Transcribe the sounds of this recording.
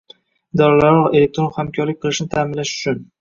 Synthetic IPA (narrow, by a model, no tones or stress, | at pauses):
d̪ɒɾalaɾɒʁe̞le̞k̚t̪ɾonhamkʲʰɒɾlɪk̚ʲqʰɨlˠɪʃnɪt̪ʰaːmɪnlaʃʊ̥t͡ʃʰʊn